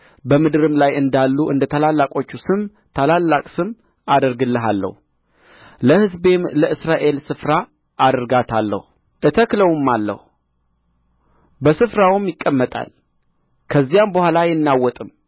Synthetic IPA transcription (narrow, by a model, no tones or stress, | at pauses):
bəmɨd̪ɨɾɨmlajɨnd̪alːuʔɨ̰nd̪ət̪ʰəlalːakʼo̞t͡ʃːusɨm | t̪ʰalalːakʼsɨm | ad̪əɾɡɨlːəɦalːə̰hu | ləhɨzbe̞mləɨsɾaʔe̞lsɨfɾa | ʔːd̪əɾɡat̪ʰalːə̰hu | ʔɨt̪ʰəkləwɨmːalːə̰hu | bəsɨfɾawɨmjɪkʼːəmːət̪ʼa̰l | kʰəzːijambəhʷalajɛnːawːɔt̪ʼɨm